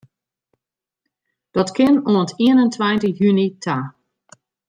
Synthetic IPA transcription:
d̥ɔtkʰɪnuənətiənəntʰwajntəjynitʰa

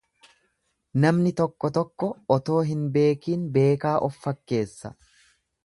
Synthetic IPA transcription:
nɐmnɪt̪ɔkːɔt̪ɔkːɔɔt̪o̞ːɦɪnbe̞ːkiːnbe̞ːkaːʔɔfːɐkːe̞ːsːɐ̰

